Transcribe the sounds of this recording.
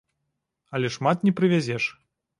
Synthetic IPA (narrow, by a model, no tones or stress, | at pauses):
ɐlʲɛʂmat̪nʲɛpɾɨvʲazʲɛʂ